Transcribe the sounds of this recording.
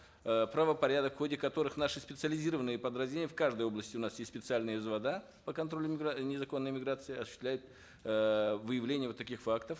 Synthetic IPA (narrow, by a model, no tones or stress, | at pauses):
pɾəvəpɐɾʲad̪əkfxodʲɪkɐt̪o̞ɾɨxnaʂɨspʲɪt̪sɨəlʲɪzʲiɾəvənɨjəpəd̪ɾɐzʲnʲenʲɪjəfkaʐd̪əjo̞blˠəsʲtʲɪʊnasjesʲtspʲɪt̪sɨalʲnɨjəzvɐd̪a | pəkɐnt̪ɾo̞lʲʊmʲɪɡɾanʲɪzɐko̞nːəjəmʲɪɡɾat̪sɨɪɐsʊɕɪst̪lʲæjʊt̪̚ | vɨjɪvlʲenʲɪjəvt̪ːɐkʲixfakt̪əf